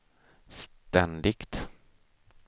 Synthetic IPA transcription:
st̪ɛnd̪ɪkt̪

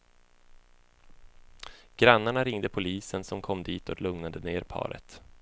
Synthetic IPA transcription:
ɡ̥ɾanːaɳaɾɪŋd̪əpʰʊliːsənsɔmkʰɔmːd̪iːt̪ʰɔklɵŋnad̪əneːɾpʰɑ̰ːɾə̰t̪

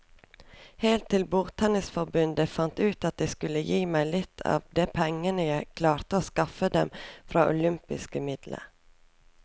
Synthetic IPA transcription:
heːlt̪ʰːɪlbuːt̪hɛnəsfɔɾbʉnd̪əfɑnt̪ʉːt̪ɑt̪̚d̪ɛɪskʉlːəjiːmæɪlɪt̪ʰɑ̰ːʋd̪eːpʰɛŋːənəjæɪkʰlɑːɾt̪əoːskɑfəd̪ɛmfɾɑːʔʊ̰lʏmpɪskəmɪd̪lə̰

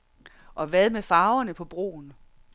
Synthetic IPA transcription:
ʔɒ̽ʋæðˠmefɑ̈ːʊɐnəpʰɒ̽b̥ʁo̝̰ːn

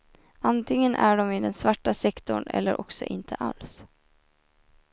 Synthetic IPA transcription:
ant̪ʰɪŋːənʔæɖɔmɪd̪ɛnsvaʈːasɛkt̪ʊɳɛ̰lːəɾʔɔksɔ̰ʔɪnt̪ʰəʔa̰ls

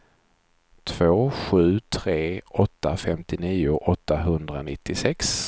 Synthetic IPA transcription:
t̪ʰv̥oːɧʉ̟ːt̪ʰɾeːɔt̪ːafɛmt̪ɪniːʊʔɔt̪ʰːaɦɵnd̪ɾanɪt̪ːɪsɛks

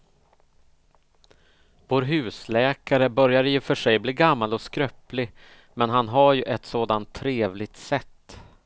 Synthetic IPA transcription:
voːɾɦʉ̟ːslɛːkaɾəbœɾjaɾjɪfœʂɛjbliːɡamːalɔskɾœplɪ | mɛnɦanɦaɾjɵʔɛt̪soːd̪ant̪ʰːɾeːvlɪɡ̚t̪sɛt̪ː

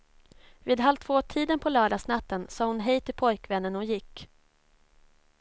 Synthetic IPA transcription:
viːd̪ɦalt̪ʰvoːt̪ʰiːd̪ənpʰɔlœːɖasnat̪ːənsɑːhʊnɦɛjt̪ʰɪlpʰɔjkvɛnːənɔjɪkː

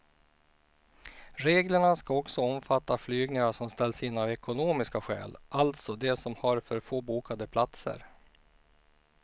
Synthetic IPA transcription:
ɾeːɡləɳaskaɔksɔɔmfat̪ʰːaflyːɡnɪŋaʂɔmst̪ɛlːsɪnːavɛkʊnoːmɪskaɧɛ̰ːlʔalt̪sɔd̪ɛsɔmhaɾfœɾfoːbuːkad̪əpʰlat̪sə̰ɾ

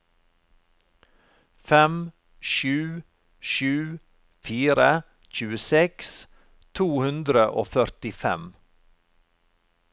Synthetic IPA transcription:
fɛm | ʃʉː | ʃʉː | fiːɾə | c͡çʉːəsɛks | t̪ʰuːhʉnd̪ɾəʔo̰ːfœɾt̪ɪfɛ̰m

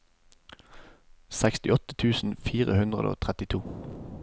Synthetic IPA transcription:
sækst̪ɪɔt̪ə̥t̪ʰʉːsn̩fiːʁəhʉnd̪ʁəd̪o̰ːt̪ʰʁɛt̪ɪt̪ʰuː

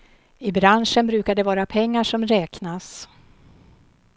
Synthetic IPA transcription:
ɪbɾanʂənbɾʉ̟ːkad̪ɛvɑːɾapʰɛŋːaʂɔmɾɛːknas

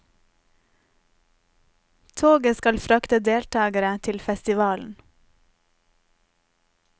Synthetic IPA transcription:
t̪ʰoːɡəskɑlfɾɑkt̪əd̪eːlt̪ʰɑːɡəɾət̪ʰɪlfɛst̪ɪʋɑːln̩

